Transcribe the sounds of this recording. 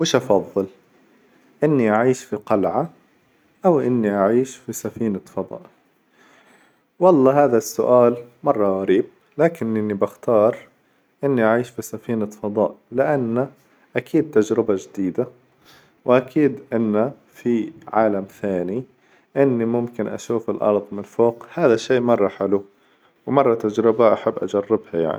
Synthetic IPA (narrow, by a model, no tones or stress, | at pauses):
wɪʃʔɑfɑðˤːɨl | ʔɪnːiʔaʕiːʃfiqɑlʕa | ʔawʔɪnːiʔaʕiːʃfisafiːnafɑd̪ˤɑ̰ːʔ | wɑlˤːɑːhaːðasːʊʔaːlmɑrˤːɑɣaɾiːb̚ | laːkɪnʔɪnːibaxt̪ɑːɾˤ | ʔɪnːiʔaʕiːʃfisafiːnafɑd̪ˤɑ̰ːʔlɪʔanːa | ʔakʰiːd̪̚t̪ad͡ʒɾɪbad͡ʒɪd̪iːd̪a | wʔakʰiːd̪ʔɪnːa | fiʕaːlamθaːni | ʔɪnːimʊmkɪnʔa̰ʃuːfɪlʔɑ̰ɾˤðˤmɪnfoːqhaːðaʃːiːʔmɑrˤːɑħalu | wmɑrˤːɑt̪ad͡ʒɾɪbaʔaħabːʔad͡ʒarːɪbhaja̰ʕni